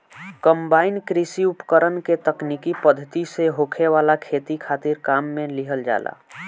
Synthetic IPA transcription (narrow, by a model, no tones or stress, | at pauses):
kəmbaːɪnkɾisiupkəɾənket̪əknikipəd̪ʱːət̪iseɦokʰeʋaːlakʰeːt̪ikʰaːt̪iɾkaːmːẽliɦəld͡ʒa̰ːlʔa̰